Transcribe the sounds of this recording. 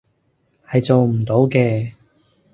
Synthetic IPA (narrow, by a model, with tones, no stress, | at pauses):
hɐ˨jt͡so˨wm̩˨˩t̪o˨˥wkɛː˧